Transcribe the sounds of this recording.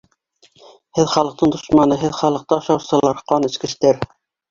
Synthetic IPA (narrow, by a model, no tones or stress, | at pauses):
hɘðχɑlˠɤ̆q̚t̪ɤɴd̪ŏʃmɑnɤɦɘðχɑlˠɤ̆q̚t̪ɤɑʃɑwsɤ̆lˠɑɾqɒnɘ̆skɘ̆ʃt̪æɾ